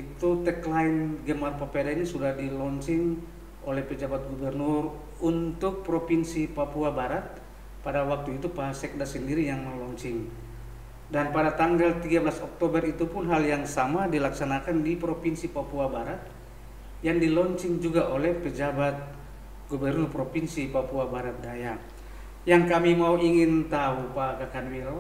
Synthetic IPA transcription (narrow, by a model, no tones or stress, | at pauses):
it̪ut̪ɛklainɡəmarpapɛdaɲasudahdilɔɲt͡ʃiŋ | ʔolɛhpəd͡ʒabat̪̚ɡubɛrnʊr | unt̪ʊk̚pɾɔpinsipapuabaɾat̪̚ | padawak̚t̪uit̪upasɛk̚dasəndiɾijaŋməlɔɲt͡ʃiŋ | danpadat̪aŋɡalt̪iɡabəlasɔk̚t̪obərit̪upʊnɦaljaŋsamadilaksanakandipɾopinsipapuabaɾat̪̚ | jaŋdilɔɲt͡ʃɪŋd͡ʒuɡaʔolɛhpəd͡ʒabat̪̚ | ɡobɛrnɔrpɾopinsipapuabaɾat̪̚daja | jaŋkamimauʔiŋɪnt̪aupakakanwil